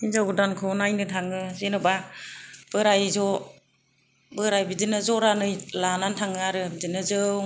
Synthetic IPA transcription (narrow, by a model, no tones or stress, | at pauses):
inzawɡɯdankʰɔnajnɯtʰaŋɯzenɯba | b̥ɯɾajzɔ | bɯɾajbidinɯzɔɾanɯjlanantʰaŋɯaɾɯbidinɯzɯw